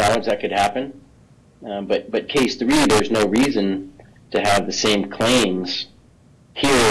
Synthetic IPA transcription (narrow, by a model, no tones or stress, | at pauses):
ælˠə̃d͡ʒðɨt̚kɨd̚hæpɨ̃n | bʌt̚b̥ʌt̚kʰeɪsθɹiðə˞znoʊɹizɨ̃n | tʰɨɨvðɨsẽɪ̃mkʰl̥ẽɪ̃mz̥ | hiɹ